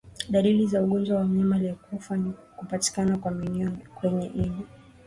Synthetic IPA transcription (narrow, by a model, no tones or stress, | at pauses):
ɗalilizauɠɔnd͡ʒwawamɛmaliakufanikupati̥kanakwaminiɔkwɛɲɛʔiɲi